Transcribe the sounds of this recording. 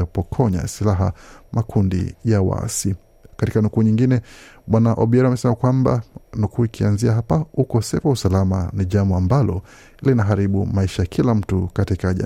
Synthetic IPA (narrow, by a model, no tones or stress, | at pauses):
apɔkʰɔɲa̰silaɦa̰makʰundḭjawa̰si | katikanukuːɲiŋɡinɛɓwanaʔɔɓiɛɾiamɛsɛmakwamba̰nukʰuːikʰianziaɦapaukɔsɛfausalama̰niʄambɔambalɔ | linaɦaɾiɓumaiʃajakʰilam̩tukatikaʄa̰